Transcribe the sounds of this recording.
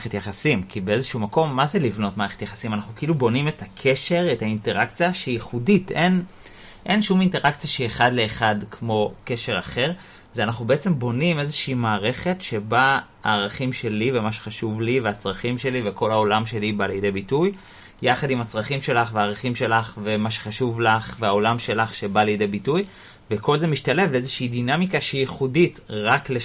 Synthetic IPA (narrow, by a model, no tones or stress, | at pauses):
etjaχasimkibeezeʃuumako̞mːazelivno̞tmaːʁe̞χet̪jaχḁsimanaχnukeilubo̞nimetʰakʰe̞ʃe̞ʁethainte̞ʁakt͡sijaʃeijiχuditʔe̞n | ʔe̞nʃuminteʁakt͡sijaʃieχadle̞ːχadkʰmo̞ke̞ʃe̞ʁaχe̞ʁ | zeanaχubeet͡se̞mbo̞nime̞zeʃiːmaːʁe̞χe̞tʃe̞ba | aːʁaχimʃe̞live̞maʃeχaʃuvliveat͡sʁaχimʃe̞liveko̞lao̞lamʃe̞libalejde̞jbituj | jaχadimat͡sʁaχimʃe̞laχveaːʁaχimʃe̞laχve̞maʃeχaʃuvlaχveao̞lamʃe̞laχʃe̞balejide̞jbituj | ve̞ko̞lze̞miʃtale̞vleezeʃiidinamikaʃehijiχuditʁakle